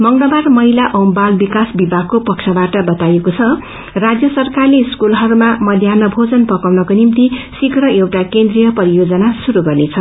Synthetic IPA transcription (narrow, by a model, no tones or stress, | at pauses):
mʌŋlʌbarmʌɦilaʔʌwmbalbikasbibʱaɡkopʌksʰʌbaʈʌbʌt̪ajekot͡sʰʌ | rad͡zjʌsʌrkarleskulɦʌɾumamʌd̪ʱjanʌbʱod͡zʌnpʌkawnʌkonimt̪isikrʌewʈakend̪rijʌpʌɾijod͡zʌnasuɾuɡʌrnet͡sʰʌ